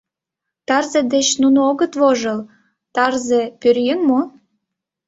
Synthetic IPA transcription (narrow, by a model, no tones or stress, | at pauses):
t̪ɑrzĕd̪et͡ɕnunooɣət̪βoʒəl | t̪ɑrzepyɾjenmo